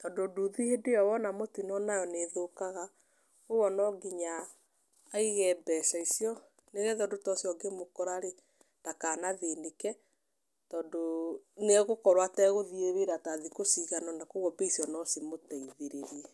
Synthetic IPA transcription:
tɔːndoduðihedejɔwɔnamotinɔnajɔneðokaɣa | owɔnɔɡiɲaː | iɣɛbɛsaisiɔ | neɣɛðɔdotɔsiɔɡemokɔɾaɾe | takanaðenekɛ | tɔːndoneɣokɔɾwatɛɣoðieβeɾataðikosiɣanɔnakoɣɔbeisiɔnɔsimotɛiðeɾeɾiɛ

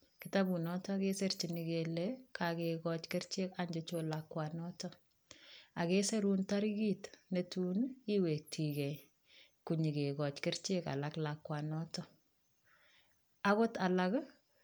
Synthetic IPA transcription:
kɪtabunɔtɔkeseɾt͡ʃiniɡelɛkʰakekɔt͡ʃkɪɾt͡ʃekaɲd͡ʒɛt͡ʃolakwanɔtɔ | akeːseɾuːntaɾiɡiːtnetuniwek̚tʰiɡɛj | kuɲiɡeɡɔt͡ʃkɪɾt͡ʃeka̰laklakːwanɔtɔ | aɣɔtalak

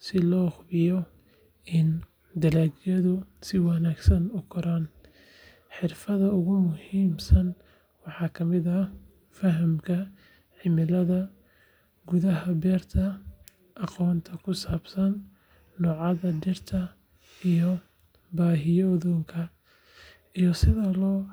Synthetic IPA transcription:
sɪlɔːχʊbɪjɔ | ɪn | d̪ɐlaːɡjɐðʊsɪwɑnaːɡsɐnʊkʰɐɾaːn | ħɪrfɐðɐʊɣʊmʊhiːmsɐn | wɑħɑːkʰɐmɪðɐ | fɐɦɐmkʰɐ | ħɪmɪlɐðɐ | ɡʊðɐɦɐbɛːrt̪ʰɐ | ʔɑqɔːnt̪ʰɐkʰʊsaːb̥sɐnː | ɔːʕɑðɐdɪrt̪ʰɐ | ijɔ | baːɦɪjɔðɔːŋkʰɐ | ijɔsɪðɐlɔː

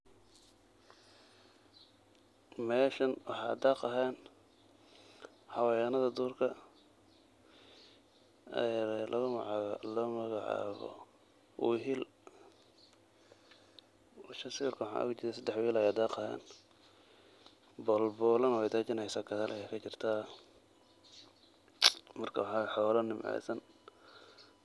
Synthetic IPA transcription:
mɛːʃɐnwɑħɑ̰d̪aːqɐɦɛːn | hɐwɑjanɐðɐd̪uːrkʰɐ | jɾɛlʔɐʊlɔːmɐɣɑʕɑ̰ːβɔ̰ | ʔṵːɦil | ʃɐsirkʰʊwħɑ̰ːʔʊ̰ɡt͡ʃɪɾɛsɐd̪ɛħwiːlajɐd̪ɑːqɐhɛ̰ːn | bɔlbɔːlɐnwɛjt̪aːt͡ʃɪnɛjsaːkʰɐðɐlʔɐjɛkʰɐt͡ʃɪrt̪ʰaː | mɐrkʰɐwɑħɑːħɔwlɐnɪmʕɛ̰ːsɐn

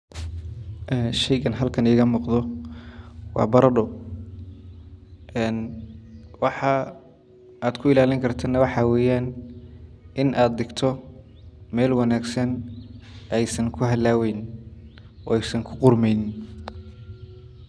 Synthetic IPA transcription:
ʔɛnʃɛjɣɐnɦɐlkʰɐnɪːɣɐmɔqd̪ɔ | wɑ̰ːbɐɾɐɖɔ | ɛːn | wɑħɑ | aːd̪kʰʊɪlaːlɪŋkʰɐrt̪ʰɐnɐwɑħɑwɛːjaːn | ʔɪnʔaːd̪̚d̪ɪɡt̪ʰɔ | mɛːlwɑnaːɡsɐn | ɛjsɐŋkʰʊɦɐd̪laːwɛjn | ɔ̰ːɛjsɐŋkʰʊ̥qʊrmɛjn

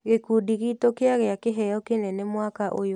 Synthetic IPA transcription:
ɣekudiɣitokeaɣeakeɦɛjɔkenɛnɛmwakaʔojo

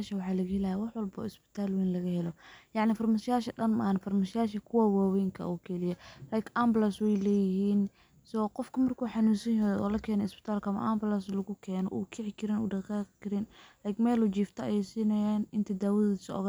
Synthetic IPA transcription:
ʃɐwɑħɑːlɐɣɐhɛlɐjawɑħwɐlbɔ̰ːɪsbɪ̥t̪ʰaːlwiːnlɐɣɐhɛlɔjɑʕnɪfɐrmaʃɪjaːʃɐɗɐnmɐ̰ːhnfɐrmaʃɪjaːʃɐkʰʊwaːwaːwɛːŋkʰɐ̰ʔuːkʰɛlɪjɐrɐjkʔamblaswɛjlɛːjɪhiːn | sɔqɔfkʰɐmɐrkʰuːħɑnuːsɐjɐjɔ̰ːlɐkʰɛːnɔɪsbɪ̥t̪ʰaːlkɐmɐ̰ʔɐ̰ːmbɪlaslɐɣʊkʰɛːnɔ̰ʔuːkʰɛʕɪkʰɪɾɪnṵːɖɐqaːqkʰɪɾɪnrɛjɡmɛːlut͡ʃiːft̪ʰɐjɛjsiːnɐjaːnɪnt̪ʰɐd̪aːwɐðisɐɔ̰ɣɐ

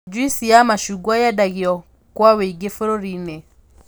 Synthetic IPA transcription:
d͡ʒwisijamaʃuɡwajadaɣiɔ | kwaweiɡefoɾoɾine

